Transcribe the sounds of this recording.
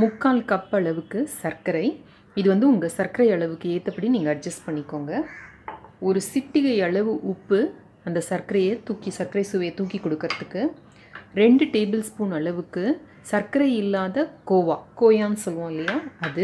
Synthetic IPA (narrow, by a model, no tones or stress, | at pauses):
mʊkːaːlkɐpːɐɭɐʋɯkːɯsɐɾkɐɾɐɪ | ɪðɯʋɐnd̪ɯʊŋɡɐsɐɾkɐɾɐɪɐɭɐʋɯkːɯeːt̪ːɐpːɐʈiniːŋɡɐːɖ̚d͡ʒɐsʈpɐɳːɪkːoːŋɡɐ | ɔɾɯsɪʈːɪɣɐɪɐɭɐʋɯʔʊpːɯ | ɐnd̪ɐsɐɾkɐɾɐjɐt̪uːkisɐɾkɐɾɐɪsʊʋɐjɐt̪uːkikːɔɽɯkːɪɾɐðɯkːɯ | ɾɛɳɖɯʈeːbɪlspuːnɐɭɐʋɯkːɯ | sɐɾkɐɾɐɪɪlːaːðɐkoːʋaːkoːjaːnɯsɔlːʋõːɪlːɐjaːɐðɯ